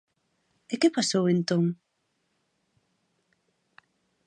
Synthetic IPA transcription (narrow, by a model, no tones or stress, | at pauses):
ekepasowent̪oŋ